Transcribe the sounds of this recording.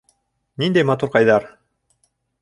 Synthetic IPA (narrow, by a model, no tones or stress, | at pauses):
nind̪æjmɑt̪uɾqɑjðɑɾ